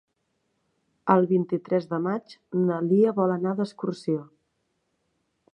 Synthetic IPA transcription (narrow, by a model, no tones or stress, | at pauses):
əlˠβint̪it̪ɾɛzðəmad͡ʒnəliəβɔlənaðəskursio